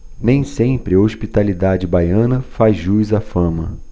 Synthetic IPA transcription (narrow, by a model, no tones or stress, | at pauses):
nẽj̃sẽpɾɪoʃpit̪alid̪ad͡ʒɪbajɐ̃nɐfazʒujzafɐ̃mɐ̰